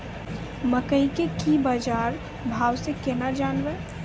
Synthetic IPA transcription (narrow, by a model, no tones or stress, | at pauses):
məkəikekibaːd͡ʒaːɾ | bʱaːwsekenad͡ʒaːnbeː